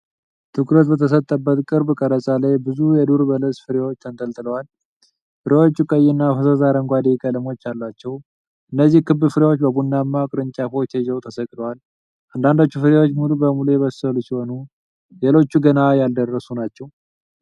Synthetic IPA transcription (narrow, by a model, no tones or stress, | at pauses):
t̪ʰɨkɾət̪bət̪ʰəs̬ət̪ʼːəbːət̪kʼɨɾbkʼəɾəsʼalajbɨzujɛd̪uɾbələsʼfɨɾewo̞t͡ʃːt̪ʰənt̪ʼəlt̪ʼɨləwal | fɨɾewo̞t͡ʃːukʼəjːɪnːafəsəzaɾəŋɡʷad̪ikʼələmo̞t͡ʃːalːat͡ʃːɛw | ʔɨnːəzːihkɨbːɨfɨɾewo̞t͡ʃːbəbunːamːakʼɨɾɨɲt͡ʃʼafot͡ʃʰeʒəwt̪ʰəsəkʼd̪əwal | ʔand̪and̪ot͡ʃːufɨɾewo̞t͡ʃːmulubəmulujɛβəsːəlusiho̞nu | lelo̞t͡ʃːuɡənajald̪ərːəsunat͡ʃːɛw